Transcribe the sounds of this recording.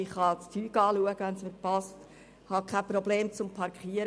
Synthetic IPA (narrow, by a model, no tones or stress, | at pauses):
ɪχhɑt͡stʰyːkɑːluəɡ̥əʋænsmɪtpɑst | hɑkʰæpɾɔbleːmt͡sʊmpʰɑɾkχiəɾ